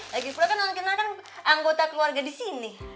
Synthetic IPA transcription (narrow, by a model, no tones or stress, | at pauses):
laɡipunakanmaŋkinakanaŋɡot̪akəluarɡadisini